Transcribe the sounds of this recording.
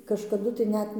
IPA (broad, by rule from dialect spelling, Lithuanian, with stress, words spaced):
kɐʃkɐˈdʊ tɐɪ ˈnʲɛt